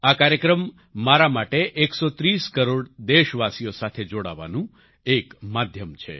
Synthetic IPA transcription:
akaɾjəkɾəmː | aɾamaʈeʔeksot̪ɾiskəɾoɽd̪eʃʋasijosat̪ʰed͡ʒoɽa̰ʋa̰nũ | ekmad̪ʱjəmt͡ʃʰḛ

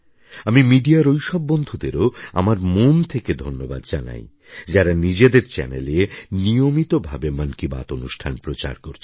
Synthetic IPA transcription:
amimiɖiaɾojʃɔbːɔnd̪ʱud̪eɾoa̰maɾmomt̪ʰeked̪ʱonːobad̪d͡ʑana̰j | d͡ʑaɾanid͡ʑed̪eɾt͡ɕɛ̰nelenijomit̪obʱabemənkiba̰t̪onuʃʈʰanpɾot͡ɕa̰ɾkoɾt͡ɕʰi̥

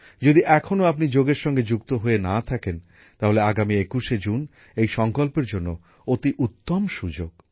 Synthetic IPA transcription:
d͡ʑod̪iʔɛkʰonoapnid͡ʑoɡeɾʃɔŋɡed͡ʑukt̪oɦoenat̪ʰaken | t̪aɦoleaɡamiekuʃed͡ʑun | ejʃɔŋkolpeɾd͡ʑonːo | ot̪iʔut̪ːomʃud͡ʑoɡ

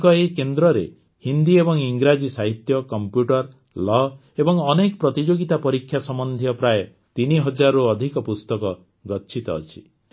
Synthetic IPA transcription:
kɔekend̪ɾɔɾḛ | hind̪iebɔŋiŋɡɾad͡ʒisaɦit̪jɔkɔmpjuʈɔɾ | lɔ | ebɔŋɔnekɔpɾɔt̪id͡ʒoɡit̪apɔɾikʰːjasɔmɔnd̪ʱjɔpɾaje | t̪iniɦɔd͡ʒaɾɔuɔd̪ʱikɔpust̪ɔkɔ | ɡɔt͡ʃʰit̪ɔ̰ːt͡ʃʰi̥

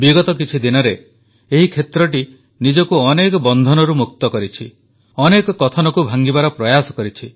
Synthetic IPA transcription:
biɡɔt̪ɔk̬it͡ʃʰid̪inɔɾe | eɦikʰet̪ɾɔʈ̬i | nid͡ʒɔkuɔnekɔbɔnd̪ʱɔnɔɾumuk̚t̪ɔkɔɾit͡ʃʰi | ɔnekɔkɔt̪ʰɔnɔkubʱaŋɡibaɾɔpɾɔjasɔ̥kɔɾit͡ʃʰi

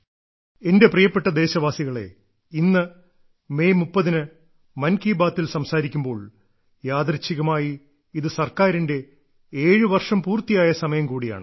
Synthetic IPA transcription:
e̞nde̞prijɐpːe̞ʈːɐd̪e̞ːɕɐʋaːsiɣɐɭe̞̰ | inːɨ | me̞ːmupːɐðinɨ | mɐnkiːbaːt̪ːilsɐmsaːɾikʲːumbo̞ːɭ | jaːd̪rɐt͡ɕːiɣɐmaːji | iðɨsɐrkaːɾinde̞ | eːɻɨʋɐrʂɐmpuːrt̪ːijaːjɐsɐmɐjɐmkuːɽija̰ːɳɨ

